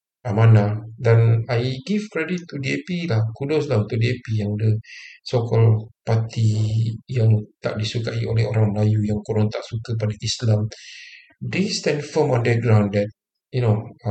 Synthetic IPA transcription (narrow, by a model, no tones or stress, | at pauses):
ʔamãnadanajɡifkɾɛdit̪ːudiepilahkudɔs̬laut̪udiepijaŋdəsokɔlpat̪ijãŋt̪a̰ʔ̚disukaʔiolɛhoɾaŋməlajujaŋkoɾɔŋt̪aʔsukəp̬adaʔislam | dest̪ɛ̃nfəmɔ̃ndəɡɾãwndɛt̚ | juno